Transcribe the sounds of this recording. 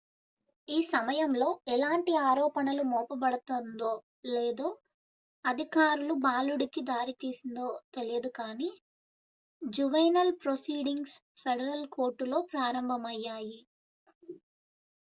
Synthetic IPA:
iːsɐmɐjɐmlo̞ːɛlaːɳʈiaːɾɔːpɐnɐlumɔːpɐbɐɽut̪ond̪oː | leːd̪oː | ɐd̪ʱikaːɾulubaːluɽikid̪aːɾit̪iːsind̪oːt̪e̞lijɐd̪ukaːniː | d͡ʒuʋɐjnɐlpɾosiːɖiŋɡs | pʰeɽɐɾɐlko̞ːɾʈːulo̞ːpɾaːɾɐmbʱɐmɐjːaːji

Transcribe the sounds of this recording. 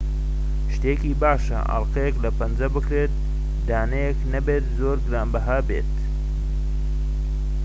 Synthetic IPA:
ʃt̪eːkiːbaːʃɐ̰ʔɐ̰lqejeklɐpɐnd͡zɐbɨkɾeːt̪̚ | d̪aːnɐjeknɐbeːt̪zoːɾɡɾaːmbɐɦabeːt̪

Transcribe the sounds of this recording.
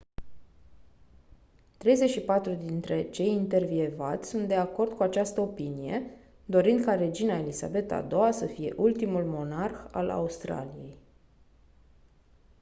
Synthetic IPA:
t̪ɾe̞jze̞ʃipat̪ɾud̪int̪ɾe̞t͡ʃe̞jint̪e̞rvie̞vat̪sʲsunt̪̚d̪e̞ako̞rd̪̚kuat͡ʃast̪əo̞pinije̞̰ | d̪o̞ɾind̪̚kaɾe̞d͡ʒinae̞lisa̰be̞t̪a̰d̪o̞wasəfije̞̰ʔult̪imulmo̞narxa̰la̰ust̪ɾa̰lije̞j

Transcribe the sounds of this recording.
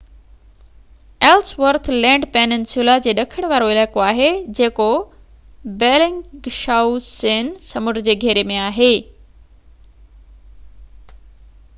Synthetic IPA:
eːlsʋəɾt̪ʰlɛ̃ːɳɖpeːnɪnsjulad͡ʑeːɗɐkʰɪɽ̃ʋaːɾoɪlaːkoaːɦed͡ʑeːko | beːlɪ̃ŋɡʃaːusseːnsɐmʊʈd͡ʑeːɡʱeːɾemẽaːɦeː

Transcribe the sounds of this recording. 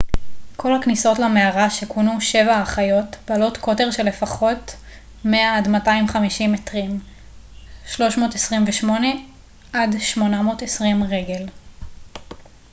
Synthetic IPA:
kʰo̞lhakniso̞tlameaʁaʃekunuʃe̞vaaχajo̞tb̥lo̞tkʰo̞teʁʃe̞le̞faχo̞t | meaːdmataimχamiʃimetʁim | ʃlo̞ʃmo̞ːtesʁimveʃmo̞ne̞ | ʔadʃmo̞namo̞ːtesʁimʁe̞ɡe̞l

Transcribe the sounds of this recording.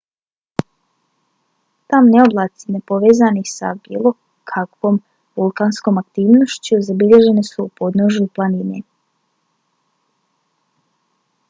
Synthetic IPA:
t̪amneoblˠaːt̪sinepo̞ʋeːzanixsa̰bḭːlˠo̞ | kʰakʋo̞ːm | ʋulˠkaːnsko̞makt̪iːʋno̞ʃt͡ɕuzabiʎe̞ʒe̞nesupo̞d̪noʒjuplˠaninḛ

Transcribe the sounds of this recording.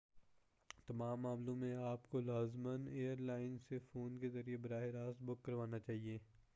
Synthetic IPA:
t̪ɐmaːmːaːmlõmẽaːpkolaːzməneːəɾlaːɪnsefoːnkezɐɾiebɐɾaːɦɪɾaːst̪̚bʊkːɐɾʋaːnat͡ʃaːɦieː

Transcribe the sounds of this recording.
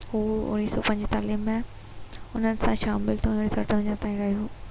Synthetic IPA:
huːʊ̰niːsɔːpɐ̃ɲd͡ʑt̪aːliːma | ʊn̤ənɪ̆sãʃaːmɪlt̪ʰõnɪsɐɾʈəʋ̃ɲd͡ʑãt̪aːĩɾɐːɦijũː

